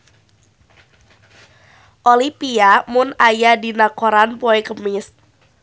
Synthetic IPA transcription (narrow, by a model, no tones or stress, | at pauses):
ʔolipiamʊnajadi̤nakoɾanpɔekəmɪs